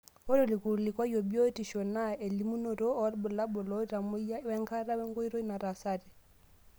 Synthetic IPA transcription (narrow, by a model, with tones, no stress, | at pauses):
ɔ˦ɾɔ˨li˨ku˨ɾli˨kwa˦jɔ˨bjo˦ti˨ʃɔ˨na˦e˨li˦mu˦nɔ˨ɾɔ˦ɔ˦ɾbɔ˨la˦bɔ˨lɔ˦i˦ɾa˨mu˦ja˦wɛ˦ŋka˦ɾa˦wɛ˦ŋɡɔ˦i˦ɾɔ˦i˦na˨ɾa˨sa˦˨ɾɛ˨